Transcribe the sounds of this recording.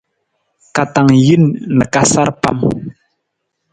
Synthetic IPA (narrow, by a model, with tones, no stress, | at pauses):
ka˨ta˨ŋji˦nnə˨ka˦sa˦ɾpa̰˦m